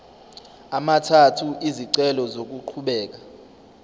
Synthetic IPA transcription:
amatʰatʰuʔiziǀɛlɔzok̬uǃʰuɓɛːk̬a

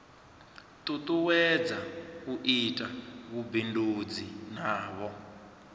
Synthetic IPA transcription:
tʼutuwɛd͡zakuʔitʼaβubindud͡zinaːβɔ

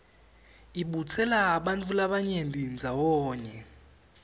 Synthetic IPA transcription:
iɓut͡sʰɛlaːɓantʼulaɓaɲembʱind͡zʱawɔːɲɛ

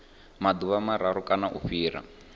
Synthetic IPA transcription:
mad̪uβamaɾaɾukʼanaʔṵɸiːɾa̰

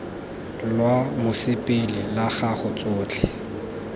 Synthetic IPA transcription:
lwamʊsɪpʼɪlɪlaχaχʊt͡sʼʊːt͡ɬʰɛ

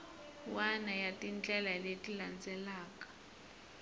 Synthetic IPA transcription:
wanajatʼint͡ɬʼɛlaletʼiland͡zʱɛlaːkʼḁ

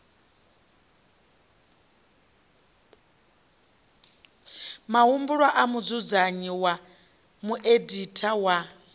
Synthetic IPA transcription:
maɦumbuɺwaʔamud͡zud͡zaɲiwa | muʔeditʰawa

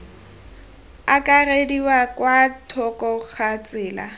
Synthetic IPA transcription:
akʼarediwakwatʰɔkɔk͡xʰat͡sʼɪːla̰

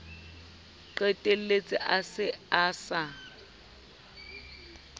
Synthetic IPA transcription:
ǃɛtʼelet͡sʼɪʔasɪaːsa

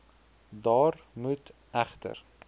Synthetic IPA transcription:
d̪ɒːɾmʉt̪ | æft̪ʰə̰ɾ

